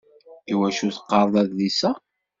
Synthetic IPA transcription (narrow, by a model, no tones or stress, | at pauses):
iwæʃuθə̥qːɑɾˤðˤæððisæ